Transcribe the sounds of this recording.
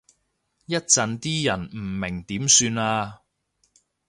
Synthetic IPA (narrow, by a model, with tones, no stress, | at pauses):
jɐ˥t̚t͡sɐ˧nt̪iː˥jɐ˨˩nm̩˨˩mɪ˨˩ŋt̪iː˨˥msyː˧naː˧